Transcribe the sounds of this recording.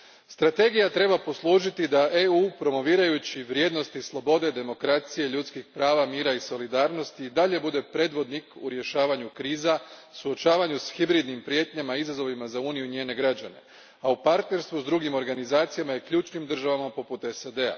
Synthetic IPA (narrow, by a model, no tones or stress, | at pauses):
st̪ɾat̪e̞ɡijat̪ɾe̞bapo̞slˠuːʒit̪id̪aʔeuːpɾo̞mo̞ʋiːɾajut͡ɕiʋɾje̞ːd̪no̞st̪islˠo̞bo̞d̪e̞d̪e̞mo̞kɾat̪sijeʎut̪skixpɾaːʋamiːɾaiso̞lid̪aːɾno̞st̪iːd̪aʎe̞bud̪e̞pɾe̞ːd̪ʋo̞d̪nikuɾje̞ʃaːʋaɲukɾiːzasuo̞t͡ʃaːʋaɲusxibɾid̪nimpɾje̞ːt̪ɲamaizazo̞ʋimazauːnijuɲeːne̞ɡɾad͡ʑane̞̰ | aupaɾt̪ne̞ɾst̪ʋuzd̪ɾuɡimo̞ɾɡanizaːt̪sijamaje̞kʎuːt͡ʃnimd̪r̩ʒaʋamapo̞put̪esad̪e̞a̰